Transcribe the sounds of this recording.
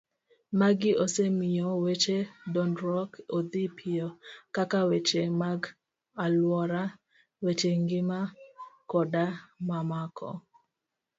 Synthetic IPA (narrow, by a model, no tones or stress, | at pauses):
maɡɪosemɪjɔwet͡ʃedɔndɾɔkod̪ipʰɪjɔkakawet͡ʃemaɡ | alwɔɾa | wet͡ʃeŋɡɪmakɔdamamakʰɔ̰